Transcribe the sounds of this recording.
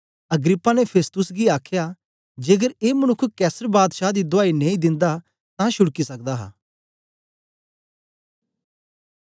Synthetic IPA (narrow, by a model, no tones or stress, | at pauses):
ɐɡɾɪpːanepʰeːst̪ʊsɡiaːkʰja | d͡ʒeːɡəɾeːməñʊkʰkɛːsəɾbaːd̪ʃad̪id̪ʊaːinẽːĩd̪ɪ̃nd̪a | t̪ãʃʊɽkisɐk̚d̪aɦa̰ː